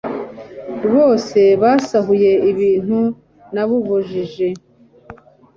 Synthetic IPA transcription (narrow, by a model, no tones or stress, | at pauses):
βoːse̞βasaɦuje̞iβiːn̥hu | naβuβuʒiʒe̞